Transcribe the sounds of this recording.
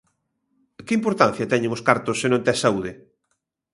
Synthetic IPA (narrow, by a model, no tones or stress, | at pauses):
kɪimpoɾt̪an̟θjɐt̪ɛɲẽŋoskaɾt̪osːenõnt̪ɛsauðɪ